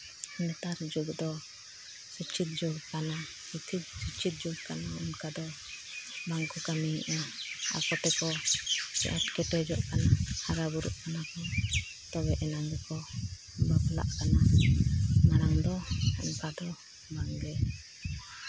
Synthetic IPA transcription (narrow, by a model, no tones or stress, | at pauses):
nɛt̪aɾd͡ʒuɡd̪ɔ | sət͡ʃʰit̪̚d͡ʒuɡkana | sit̪ʰit̪̚sut͡ʃʰit̪̚d͡ʒuɡ̚kanaunkad̪ɔ | baŋkɔkamiʔaa̰kɔt̪ɛkɔsɛ̰̃ʔɛʈkɛʈɛd͡ʒɔʔkanahaɾabuɾuʔkanakɔ | t̪ɔbɛʔɛnaŋɡɛkɔ | bɔɡla̰ʔkana | maɾaŋd̪ɔunkad̪ɔ | baŋɡɛ